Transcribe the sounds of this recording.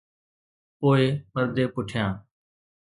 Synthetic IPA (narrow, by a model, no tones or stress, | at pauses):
poːeːməɾd̪ʱeːpʊʈʰjãː